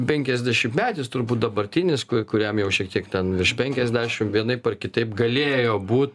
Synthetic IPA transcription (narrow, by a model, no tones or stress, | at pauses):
pʲɛŋʲkʲɛzʲd̪ʲæʃʲɪmpmʲæːtʲɪst̪ʊɾbuːt̪̚d̪ɐbɐɾʲt̪ʲɪnʲɪskʊkʊɾʲɛmjɛʊʃʲiɛkt̪ʲiɛkt̪ʲɛnʋʲɪrʃpʲɛŋʲkʲɛzʲd̪ʲæːʃʲɪmʋʲiɛnɐɪpɛrkʲɪt̪ɐɪpɡɐlʲeːjoːbuːt̪